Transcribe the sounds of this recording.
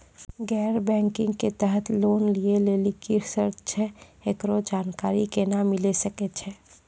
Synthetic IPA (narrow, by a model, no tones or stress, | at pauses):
ɡɛːɾbɛ̃ːŋkɪ̃ŋɡket̪ɛɦət̪loːnlieleːlikɪɾsəɾt͡ʃʰɛekɾod͡ʒaːnkaːɾikenamɪlesəket͡ʃʰɛː